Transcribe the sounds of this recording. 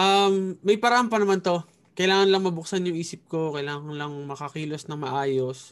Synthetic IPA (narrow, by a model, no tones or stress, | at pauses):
ʔɐmːɐjpɐɾɐʔampɐnɐmant̪o̞ | kɐjlaːŋɐnlɐŋmɐbʊk̚sanjʊŋʔiːsɪp̚ko̞kɐjlaːŋɐnlɐŋmɐkɐkiːlosnɐŋmɐʔaːjo̞s